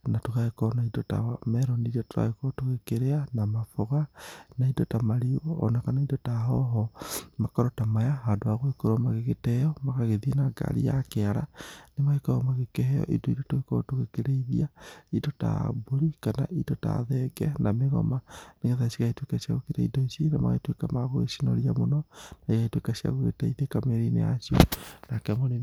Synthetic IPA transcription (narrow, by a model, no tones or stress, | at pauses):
natokaekɔnaidota̰mɛɾɔniɾotoa̰ekɔtoɣekeɾeanamafoɣanaidotamaɾioɔ̰nakanaidotaɦɔɦɔmakɔɾɔtamajaɦadoaɣwekoɾɔmaɣeɣetɛjɔmaɣaɣeðienaɡa̰ɾḭa̰keaɾa̰nemaɣekɔɔmaɣekɛɦɛɔ̰ʔḭdoiɾotoɣekɔtoɣekeɾeiðiaidota̰boɾikana̰ʔidota̰ðɛɡɛnameɣɔ̰maneɣɛðasiɣaitwekasia̰ɣokiɾaḭdoisinama̰ɣaitwekamaɣoɣḛsinɔɾiamonɔnaiɣaitwekaɕia̰ɣoɣḛtaiðekameɾinḛa̰sio̰nakɛmone